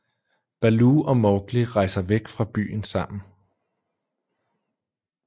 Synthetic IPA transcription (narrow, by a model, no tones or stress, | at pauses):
b̥æluɒ̽mɒːɡ̥liʁɑ̈ɪsɐʋeɡ̥fʁɑ̈b̥y̰ːn̩sɑ̈m̰n̩